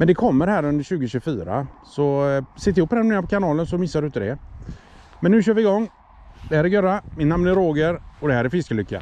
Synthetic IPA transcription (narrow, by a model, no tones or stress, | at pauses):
mɛnd̪ɛkʰɔmːəɾhæːɾɵnd̪əɾɕʉ̟ːɡəɕʉfyːɾa̰sɔsɛt̪̬ːɪhʊpːɛɾneːɾapʰɔkʰanɑːlənsɔmɪsːad̪ɵnt̪əd̪ɛ | mɛnːʉ̟ːɕøːvɪɪɡɔŋː | d̪ɛhæːɾɛɾɡœɾamɪt̪namnɛɾoːɡəɾɔd̪ɛhæːɾɛɾfɪskəlʏkːa̰